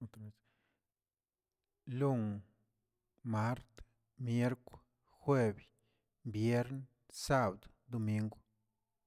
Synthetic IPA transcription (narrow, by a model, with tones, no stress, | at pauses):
t̪i˧ | lu˦ŋ | ma˦ɾt̪ | mje˦ɾkʷ | xwe˦˧bj | mbje˦ɾn | sa˦˧˨bd̪ | d̪o˧mi˧˦ŋɡ